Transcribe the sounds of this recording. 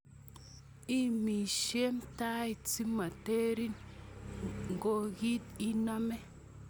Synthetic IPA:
i˦mi˨ʃe˦mta˦i˨t͡si˦ma˨te˦ɾi˦n | ŋ˨ɡo˦ɡi˦ti˦na˦me˦

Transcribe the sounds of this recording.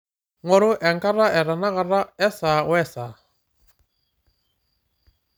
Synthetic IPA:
ŋwɔ˦ɾʊ˦ʔɛ˨ŋka˦ɾa˦ʔɛ˨ɾa˨na˦ɣa˨ɾa˦ɛ˦sa˨wɛ˦˨sa˨

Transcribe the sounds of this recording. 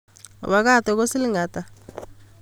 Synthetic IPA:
o̰˨βa˦ka˦˨tɔ˨ko˦si˦li˦ŋɡa˨ta˨

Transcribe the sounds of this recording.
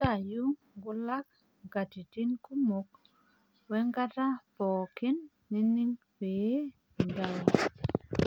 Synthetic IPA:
ta˨ju˦ | ɡu˦la˦k̚ | ɡa˨ti˨ti˦nku˦mo˦k | wɛ˦ŋɡa˦ta˦pɔ˨ki˦nː | i˦ni˦ŋ | be˨˦˨ | nda˦wa˨

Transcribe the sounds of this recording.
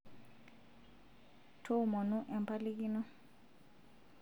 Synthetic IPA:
tʰo˦˨mɔ˨nu˦ʔɛ˨m˨pʰa˦li˦ki˦nɔ˦

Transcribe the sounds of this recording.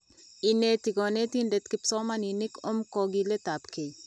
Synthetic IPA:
i˨net̪i˨ɡɔ˨ne˦t̪i˦nde˨t̪kɪ˨psɔ˦ma˦ninɪ˦ko˦mkɔɡile˦t̪a˨pke˨

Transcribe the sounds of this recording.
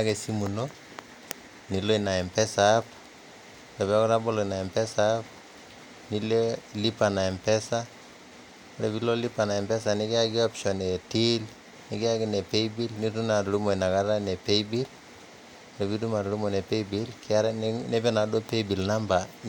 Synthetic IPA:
ake˨si˦mu˨no˦ | ni˨lo˦i˨na˨ɛ˨mpɛ˦sa˨p̚ | ɾɛ˨bɛ˦kɔ˦ɾa˦bɔ˦lo˨i˨na˨ɛ˨mpɛ˦sa˦p | ni˦le˦li˦pa˨na˨ɛ˨mpɛ˦sa˦ | ɾe˨βi˦lo˦li˦pa˨na˨ɛ˨mpɛ˦s̬a˨nɪ˦kɪ˦a˦kɪ˦ɔ˦pʃɔ˨ne˨ti˦l | nɪ˦ɡɪ˦a˦kɪ˦ne˨pe˦ibi˦lni˦tu˦na˨tɾu˦mo˨i˨na˨ka˦ɾa˦ne˨pe˦ibi˦l | ɾe˨bi˦tu˦ma˨ɾɾu˦mo˨ne˨pe˦ibi˦lkʰɪ˦a˦ɾne˦pɛ˦na˨do˦pe˦ibi˨lna˦mba˨

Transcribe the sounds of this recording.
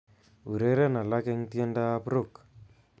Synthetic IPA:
u˨ɾe˦ɾe˦na˨la˦ke˦ŋti˦e˦nda˦pɾo˦˨k

